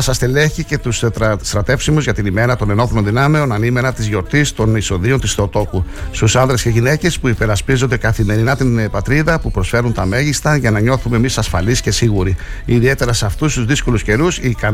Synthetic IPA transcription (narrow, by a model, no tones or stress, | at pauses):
sɐst̪eleçice̞t̪usst̪ɾɐt̪e̞fsimuzʝɐt̪inime̞ɾɐt̪o̞ne̞no̞θoɾo̞nðinɐmeo̞nɐnime̞ɾɐt̪izʝo̞ɾt̪ist̪o̞niso̞ðio̞nt̪isθeot̪o̞kust̪usɐnðɾe̞sce̞ʝine̞ce̞spuipe̞ɾɐspizo̞nd̪e̞kɐθime̞ɾinɐt̪inpɐt̪ɾiðɐpupɾo̞sfe̞ɾunt̪ɐme̞ʝist̪ɐʝɐnɐɲo̞θume̞misɐsfɐlisce̞siɣuɾiː | ðie̞t̪e̞ɾɐseɐft̪ust̪uzðisko̞lusce̞ɾusikɐ